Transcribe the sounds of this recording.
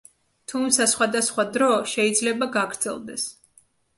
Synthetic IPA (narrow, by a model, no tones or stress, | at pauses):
t̪ʰumt̪sʰasχwad̪asχwad̪ɾɔʃɛid̪zlɛbaɡaɡɾd̪z̥ɛ̰lˠd̪ɛ̰s